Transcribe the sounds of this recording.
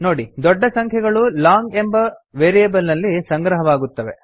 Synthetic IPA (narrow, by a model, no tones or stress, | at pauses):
noːɽid̪ɔɖːɐsɐŋkʰjɛɡɐɭulaːŋɡe̞mbɐʋeːɾieːbɐlnɐlːisɐŋɡɾɐɦɐʋaːɡut̪ːɐʋe̞̰